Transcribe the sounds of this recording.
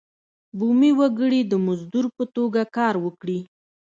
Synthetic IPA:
bumiwaɡəɽid̪əmʊzd̪uɾpət̪oɡakɑɾwəkɽi

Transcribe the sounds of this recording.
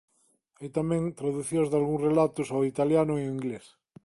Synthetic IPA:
ajt̪amẽŋt̪ɾaðuθjõzðalɣũŋsrelat̪ʊsawit̪aljanʊioiŋɡles

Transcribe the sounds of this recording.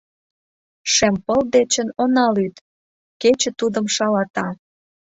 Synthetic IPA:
ʃempəld̪et͡ɕə̆nonɑlyt̪ | ket͡ɕə̆t̪ud̪əmʃɑlɑt̪ɑ

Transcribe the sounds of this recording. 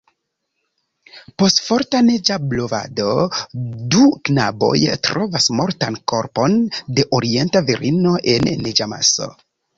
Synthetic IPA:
po̞stfo̞ɾtaned͡ʒablo̞va̰do̞duknabo̞̰jtɾʔovasmo̞ɾtanko̞ɾpo̞nde̞ʔoɾie̞ntaviɾʔino̞ʔe̞nːed͡ʒama̰so̞̰

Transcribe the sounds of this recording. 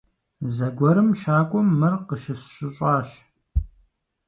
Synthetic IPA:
zɐɡʷɔɾɨmʃaːkʷʼɔmːɨrqəʃɪsɕɪɕʷʼɑːɕ

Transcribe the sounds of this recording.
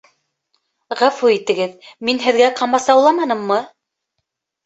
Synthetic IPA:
ʁæfuit̪ɘ̆ɡɘðminɦɘ̆ðɡæqɑmɑsɑwlˠɑmɑnɤ̆mːɤ

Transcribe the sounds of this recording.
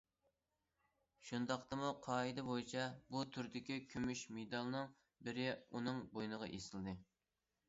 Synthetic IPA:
ʃund̪ɑqt̪ɨmuqʰɑːid̪ɨbojit͡ʃʰɛbut̪ʰyɾd̪ɪkʲikʲʰømyʃmed̪ɑlˠnɨŋ | bɪɾɪunɨŋbojnəʁɑ̰ʔesɨlˠd̪ɨ

